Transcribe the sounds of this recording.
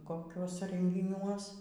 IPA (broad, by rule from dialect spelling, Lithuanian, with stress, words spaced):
koːˈkʲuɔsʲɛ rʲɛŋʲɡʲɪˈnʲuɔs